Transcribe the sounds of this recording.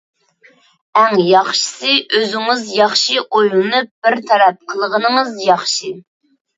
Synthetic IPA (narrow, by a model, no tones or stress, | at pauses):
æŋjɑχʃɨ̥sɨʔøzɪŋɨzjɑχʃiʔojlˠnɨp̚b̥ɪɾt̪ʰɑɾɛp̚qʰəlˠəʁənŋɨzjɑχʃi